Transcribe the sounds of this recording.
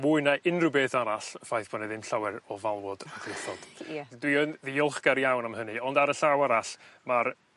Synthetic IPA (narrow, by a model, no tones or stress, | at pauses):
mʊɨnaʔɪnrɨbeːθaɾaɬəfajθb̥ɔnɛðɪmɬawɛɾɔvalˠwɔdaɡʰrɪθɔd̥dwiənðiɔlˠχɡ̥aɾjawnamhənɨɔndaɾəɬawaɾaɬmaɾ